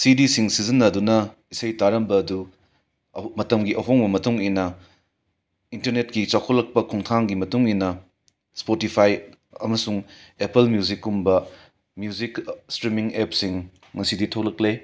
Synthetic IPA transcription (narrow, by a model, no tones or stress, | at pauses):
sidisiŋsizinːɐdunɐ | isɐjtaɾɐmbɐːdu | mɐtɐmɡiʔɐɦoŋbɐmɐtuŋinɐ | intɐɾnet̚kit͡ʃawkʰolːɐk̚pɐkʰɔŋtʰaŋɡimɐtuŋinɐ | spotipʰaj | ɐ̰mɐsuŋ | epelmjuzikumbɐ | mjuzikstɾimiŋepsiŋ | ŋɐsiditʰoklɐkle